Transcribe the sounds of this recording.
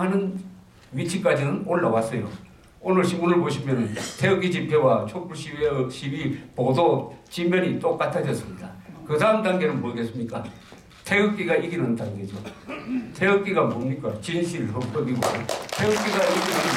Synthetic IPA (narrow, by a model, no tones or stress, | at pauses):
anɯn | ɥit͡ɕʰik͈ad͡ʑinɯnoɭːawas͈ʌjo̰ | onɯɭɕʰimunɯɭboɕʰimjʌnntʰe̞ɯɡid͡ʑipʰewat͡ɕʰopʰuɭɕiɕʰibipodot͡ɕimjʌɲit͈ok͈atʰadʌs͈ɯmɲida̰kɯdaɯmdaŋɡe̞nɯnboiɡes͈ɯmɲik͈a | tʰe̞ɯk͈̚iɡaiɡinɯndaŋɡe̞d͡ʑo | tʰe̞ɯk͈iɡamomɲik͈at͡ɕinɕʰiɾɯɭɦop͈ʌɡiɡo̰tʰeɯk͈iɡaiɡinɯ